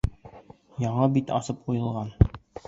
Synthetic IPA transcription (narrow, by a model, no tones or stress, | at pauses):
jɑɴɤbit̪ɑ̰sɤp̚qujɤ̆lˠʁɑn